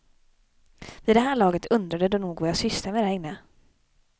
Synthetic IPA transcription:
viːd̪ɛɦæːɭɑːɡət̪ʰɵnd̪ɾad̪əd̪ɔnuːɡvajaːsʏslamɛd̪ɛɪnːə

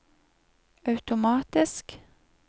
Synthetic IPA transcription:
ɑʉt̪ʊmɑːt̪ɪsk

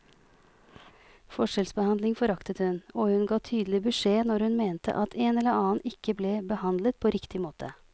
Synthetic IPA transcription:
fɔʂɛlsbəhɑnd̪lɪŋfɔɾɑkt̪ət̪hʉnɔːhʉnɡɑːt̪ʰyːd̪əl̩ɪbʉʂeːnɔɾhʉnmeːnt̪ʰə̰ʔɑt̪ʰeːnɛləɾɑːnʔɪkːəbleːbəhɑnd̪lət̪̚pʰoːɾɪkt̪ɪmoːt̪ʰə

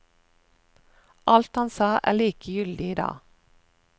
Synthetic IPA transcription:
ʔɑlt̪hɑnsɑːʔæ̰ːɭiːkʰəjʏld̪ɪɪːd̪ɑ̰ː

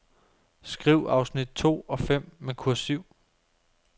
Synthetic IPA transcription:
sɡ̥ʁiʊ̰ɑ̈ʊsnid̥̚t͡sʰo̝̰ːɒ̽fem̰mekʰuɐ̰syʊ̰

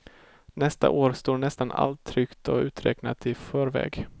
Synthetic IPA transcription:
nɛst̪a̰ʔoːɾst̪oːɳɛst̪ana̰lt̪ʰːɾʏkt̪ɔʉ̟ːt̪ɾɛ̰ːknat̪ɪfœːɾvɛ̰ːɡ

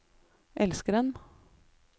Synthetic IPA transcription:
ʔɛlskəɖɛn

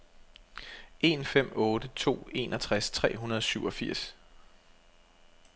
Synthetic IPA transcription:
e̝nfem̰ɔ̽ːd̥ət͡sʰo̝̰ːe̝̰nʔɒt͡sʰʁast͡sʰʁɛ̰ːɦunɐð̞ˠɒ̽syʊ̰ɒ̽fiɐ̰s

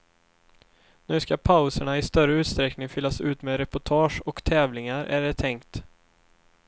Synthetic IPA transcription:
nʉ̟ːskapʰaʊsəɳaɪst̪œɾəʉ̟ːt̪st̪ɾɛknɪŋfʏlːasʉ̟ːt̪meːɾɛpʊʈʰɑːʂɔkt̪ʰɛːvlɪŋaɾʔæ̰ɖɛt̪ʰɛŋkt̪

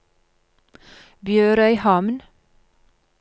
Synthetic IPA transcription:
bjøːɾœʏhɑmn

